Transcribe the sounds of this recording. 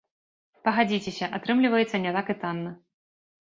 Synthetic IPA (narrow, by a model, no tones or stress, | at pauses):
pɐɣad͡zʲit͡sʲɛsʲɐʔat̪ɾɨmlʲivɐjɛt̪sːɐnʲɛt̪akɨt̪anːɐ